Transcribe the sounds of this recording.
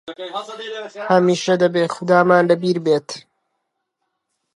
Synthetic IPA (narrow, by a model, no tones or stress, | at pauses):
hɐmiːʃɐd̪ɐbeːxʊd̪aːmaːnlɐbiːɾbeːt̪